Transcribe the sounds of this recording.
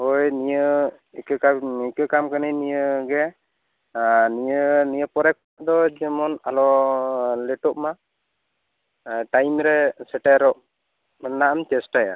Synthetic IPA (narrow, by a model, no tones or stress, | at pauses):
hojnijə | ikəkaikɯkamkanajnijəɡɛ | nijənijəpɔɾɛk̚paʔd̪ɔd͡ʒɛmɔnalɔ | lɛʈɔʔma | ʈajmɾɛsɛʈɛɾɔʔ | naʔamt͡ʃɛsʈaja̰